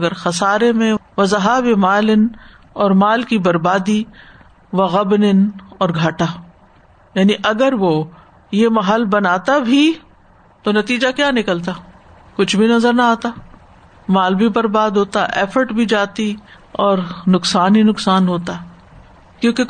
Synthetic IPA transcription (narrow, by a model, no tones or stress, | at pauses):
ɐɡəɾxɐsaːɾemẽʋɐzɐɦaːbemaːlɪn | ɔːɾmaːlkibɐɾbaːd̪i | ʋɐɣɐbnɪnɔːɾɡʱaːʈaː | jaːniʔɐɡəɾʋo | jemɐɦəlbɐnaːt̪abʱi | t̪onɐt̪iːd͡ʒakjaːnɪkəlt̪̬aː | kʊt͡ʃʰbʱinɐzəɾnɐaːt̪a | maːlbʱibɐɾbaːd̪ɦoːt̪aʔɛːfəɾʈbʱid͡ʒaːt̪i | ɔːɾnʊksaːninʊksaːnɦoːt̪a | kjõːke